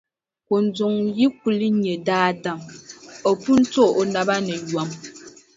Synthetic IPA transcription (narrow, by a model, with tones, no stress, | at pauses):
ko˨n̩˨˦d͡zu˨ŋji˦ku˨li˦ɲe˨daː˦˨da˨mɔ˨pu˦n̩˦to˦o˨na˨ba˦nɛ˨jwa˨˦m